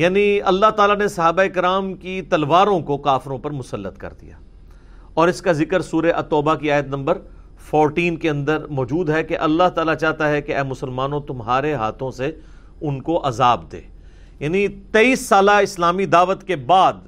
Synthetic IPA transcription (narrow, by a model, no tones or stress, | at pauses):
jaːniɐlːaɦt̪aːlanesɐɦaːbaeɪkɪɾaːmkit̪ɐlʋaːɾõkokaːfɪɾõpɐɾmʊsəlːət̪kɐ̰ɾd̪ḭja̰ː | ɔːɾɪskazɪkəɾsuːɾeʔɐt̪ɔːbakiaːjət̪nɐ̃mbəɾ | fɔːɾʈiːnkeɐ̃nd̪əɾmɔːd͡ʒuːd̪ɦɛkeʔɐlːaɦt̪aːlat͡ʃaːɦt̪aɦɛkeɛːmʊsəlmaːnõt̪ʊmɦaːɾeɦaːt̪ʰõse | ʊnkoʔɐzaːbd̪ḛː | jaːnit̪ɐiːsːaːlaɪslaːmid̪aːʋət̪kebaːd̪